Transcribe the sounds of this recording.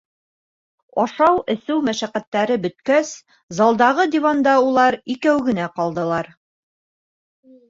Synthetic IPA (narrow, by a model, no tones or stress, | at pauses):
ɒʃɑwɘ̆sɘwmæʃæqæt̪ːæɾɘbɵ̆t̪kæs | zɑlˠd̪ɑʁɤd̪ʲivɑnd̪ɑulˠɑɾikæwɡɘ̆næqɒlˠd̪ɤ̆lˠɑɾ